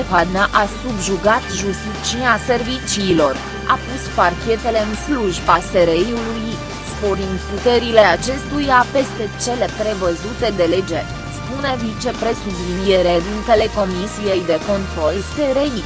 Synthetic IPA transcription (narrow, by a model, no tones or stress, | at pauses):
efad̪naʔasubʒuɡat̪ʒust̪it͡ʃiase̞rvit͡ʃiːlo̞r | apusparkʲe̞t̪e̞le̞ɨnsluʒbase̞ɾejuluj | spo̞ɾind̪put̪e̞ɾile̞at͡ʃe̞st̪ujape̞st̪e̞t͡ʃe̞le̞pɾe̞vəzut̪e̞d̪e̞le̞d͡ʒe̞ | spune̞vit͡ʃe̞pɾe̞sublinijeɾed̪int̪e̞le̞ko̞misije̞jd̪e̞ko̞nt̪ɾo̞lse̞ɾei